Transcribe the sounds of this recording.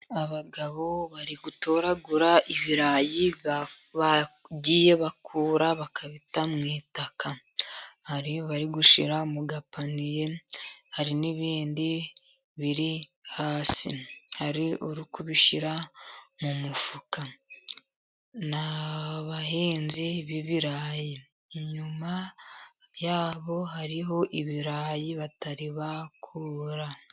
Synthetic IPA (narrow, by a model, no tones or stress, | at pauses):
aβaɡaβo̞βaɾiɡuto̞ːɾaɡuɾaʔiβiɾajiβa | ɟiːje̞βakʰuːɾaβakaβitamŋiːtaka | haɾioβaɾiɡuʃiɾamuɡapanije̞haɾiniβiːndi | βiɾi | haːsihaɾiuɾukuβiʃiɾamumufuka | naβaɦiːnziβiβiɾaːji | ɲuma | jaːβo̞haɾiɦo̞ʔiβiɾajiβataɾiβakʰuːɾa